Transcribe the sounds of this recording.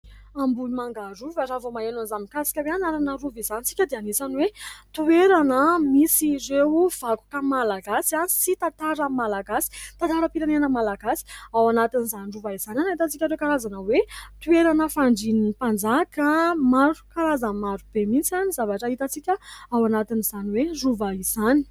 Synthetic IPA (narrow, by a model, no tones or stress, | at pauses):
ambulimaŋɡaɾuvaʈ͡ʂavomaenonzamikasi̥kʲaweanaɾanaɾuvizanit͡sikʲəd̪eanisanwet̪ueɾanəmisirewv̥aku̥kəmalaɡasianisit̪at̪aɾəmalaɡasi̥t̪ãnt̪aɾəpiɾanenəmalaɡasi̥awanat̪inizaniruvaiz̥ananait̪at͡sikʲəɾewkaɾazanəwet̪ueɾanəfaɳɖ͡ʐinipand͡zakəmaɾukaɾazəmaɾub̥emint͡sianizavaʈ͡ʂəɦit̪at͡sikʲəawanat̪iniz̥aniweruvaiz̥ani̥